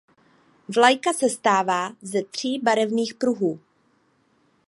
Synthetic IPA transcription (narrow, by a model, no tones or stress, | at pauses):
vlajkasɛst̪aːvaːzɛt̪r̝̥iːbaɾɛvniːxpɾuɦuː